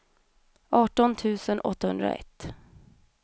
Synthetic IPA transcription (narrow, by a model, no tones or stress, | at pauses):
ʔɑːʈɔnt̪ʰʉ̟ːsənʔɔ̰t̪ːahɵnd̪ɾa̰ɛ̰t̪ː